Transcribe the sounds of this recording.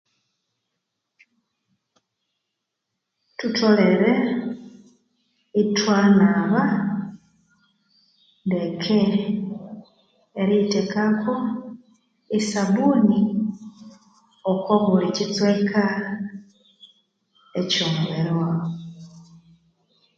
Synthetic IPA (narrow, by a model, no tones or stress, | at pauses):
tutʰoleɾe | itwaːnaβa | ndekʰe | ɾitekakʰo | isaβuni | okwaβulecit͡swekʰa | ecoːmɡe̞ɾwaːo